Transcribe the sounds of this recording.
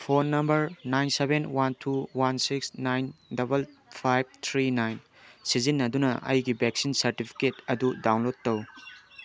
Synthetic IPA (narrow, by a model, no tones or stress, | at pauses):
pʰonːɐmbɐɾnajnsebenwantʰuwansiksnajndɐbɐlpʰajb̚t̪ʰɾinajn | sizinːɐdunɐʔɐ̰jɡibek̚sinsɐɾtipʰi̥ketɐdudawnlod̚tːɐw